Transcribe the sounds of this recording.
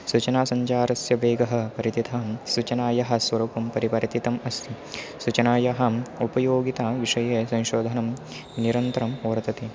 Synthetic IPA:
sut͡ʃɐnaːsɐɲt͡ʃaːɾɐsjɐʋeːɡɐɦɐ̆pɐɾit̪it̪ʰɐmsut͡ʃɐnaːjɐɦɐ̆sʋɐɾuːpɐmpɐɾipɐɾɐt̪it̪ɐmɐst̪ʰi | sut͡ʃɐnaːjɐɦɐ̆upɐjoːɡit̪aːʋiʂɐjeːsɐ̃ŋʃoːd̪ʱɐnɐm | niɾɐnt̪ɐɾɐmuʋɾɐt̪ɐt̪i

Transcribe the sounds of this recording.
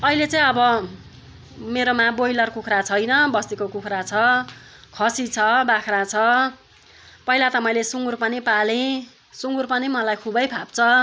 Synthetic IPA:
ʌilet͡sãĩʌbʌ | meɾomabojlʌrkukʰrat͡sʰʌjnʌbʌst̪ikokukʰɾat͡sʰʌ | kʰʌsit͡sʰʌbakʰrat͡sʰʌ | pʌilat̪ʌmʌjlesuŋɡurpʌnipalẽ | suŋɡurpʌnimʌlajkʰubʌjpʰap̚t͡sʰʌ

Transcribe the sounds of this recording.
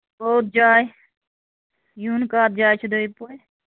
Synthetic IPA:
boːt̪̚d͡ʒaːj | juːnkaːt̪̚d͡ʒaːjt͡ʃʰud̪oipo

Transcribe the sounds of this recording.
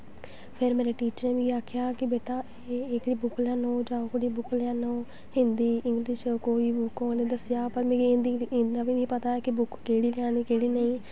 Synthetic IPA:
pʰɪɾmeːɾeːʈiːt͡ʃəɾeːʋiːaːkʰɪjaːkɪbeːʈaː | eːeːkɽiːbʊkljãːnõːd͡ʒaːokɽiːbʊkljãːnõː | hɪ̃nd̪iːɪ̃ŋɡlɪʃkoːiːbʊkõːnẽːd̪əsɪjaːpəɾmẽːnd̪iɪ̃nd̪aːbiːĩːpət̪aːɛkɪbʊkkeːɽiːlɪjãːniːkeːɽiːnəĩː

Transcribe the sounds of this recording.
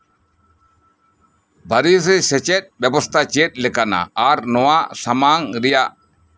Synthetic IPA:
bʱaɾis̬ɛsɛt͡ʃɛt̪̚ˀbɛbɔst̪ʰat͡ʃɛt̪̚ˀlɛkana̰ːɾnɔwaʔsamaŋɾɛjaʔ

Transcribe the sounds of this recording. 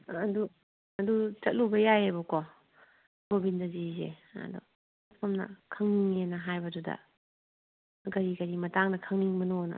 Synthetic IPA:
ɐdu | ɐdut͡ʃɐt̚lubɐjajabɐkɔ | bobindɐzizḛɐ̰dṵ | pʰɐmnɐ̰kʰɐŋniŋenɐɦajbɐdudɐ̰ | ɡɐɾiɡɐɾimɐtaŋnɐkʰɐŋniŋmɐnonɐ̰

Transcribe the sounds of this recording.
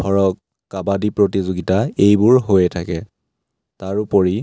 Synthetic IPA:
ɔɹɔkː | abadipɹotizoɡitaejbʊɹɦojɛtʰakɛ | taɹupɔɹi

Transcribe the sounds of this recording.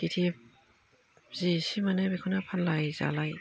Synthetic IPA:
ditʰip̚ | zisimanabekʰɔnapʰanlajza̰laj

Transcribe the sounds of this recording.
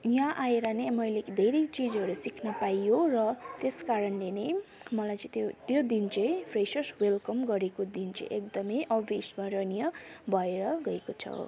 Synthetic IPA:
jãʔaeɾʌnemʌjlekd̪ʱeɾit͡sid͡zʌɾusikʰnʌpajjorʌt̪eskaɾʌnlenemʌlajt͡sʌ̃ĩt̪t̪jod̪int͡sʌjpʰresʌswelkʌmɡʌɾekod̪int͡sʌ̰jʔekd̪ʌmʌjʔʌbismaɾʌnijʌbʱʌeɾʌɡʌekot͡sʰʌ̰

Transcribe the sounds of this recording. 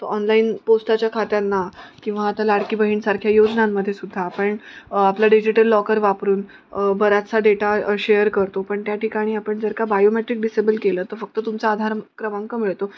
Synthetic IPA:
t̪oɔnlaiːnposʈat͡ɕjakʰat̪janːakĩw̃ʋaːt̪alaɽkiːbəɦiːnsaɾkʰjajod͡ʑnamːəd̪ʱjesud̪ʱːaːpəɳaplaɖid͡ʑiʈəlːɔkəɾʋapɾuːn | bəɾat͡saɖeʈaɕejəɾkəɾt̪opəɳt̪jaʈikaɽ̃iːapəɳd͡zəɾkabajomeʈɾik̚ɖisebəlkeləːt̪əɾfək̚t̪ət̪umt͡saːd̪ʱaɾkɾəmãŋkəmiɭt̪o

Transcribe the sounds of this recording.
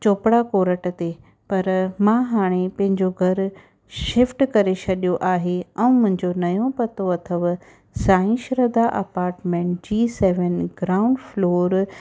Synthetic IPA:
t͡ɕoːpɽakoːɾəʈt̪e | pɐɾmãɦaːɽ̃epɐ̃ɦɪ̃ɲd͡ʑoɡʱɐɾ | ʃɪfʈkɐɾet͡ɕʰɐɗijoʔaːɦeɛ̃ũmʊ̃ɦɪ̃ɲd͡ʑonɐjõpɐt̪oɐt̪ʰəʋ | saːɪ̃nʃɾəd̪aʔɐpaːɾʈmẽːʈd͡ʑiːsɛːʋənɡɾaːʊ̃ɳɖfloːɾ

